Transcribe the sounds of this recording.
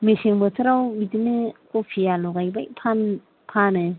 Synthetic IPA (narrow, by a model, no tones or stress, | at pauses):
meseŋbɯsʰɯɾawbitinekopʰialɔɡajbajpʰan | pʰanɯ